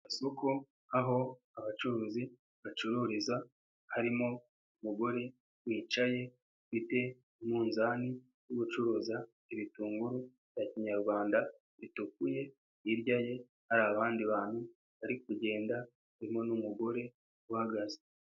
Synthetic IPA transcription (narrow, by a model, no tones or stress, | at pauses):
asoko | aɦo̞ | aβat͡ʃuɾuːzi | βat͡ʃuɾuɾiza | haɾimo̞ | umuɡo̞ɾe̞ | wiːt͡ʃaje̞ | fite̞ | muːnzaːni | juβut͡ʃuɾuːza | eβituːŋɡuɾu | jaciɲaɾɡwaːnda | βituk̚uje̞ | iɾjaje̞ | haɾaːβaːndiβaːn̥hu | βaɾik̚uɟe̞ːnda | aɾimo̞numuɡo̞ɾe̞ | wahaɡaze̥